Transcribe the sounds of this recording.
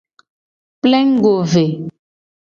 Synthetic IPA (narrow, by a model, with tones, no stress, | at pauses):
plɛ˦ŋ̩˦ɡo˨ve˨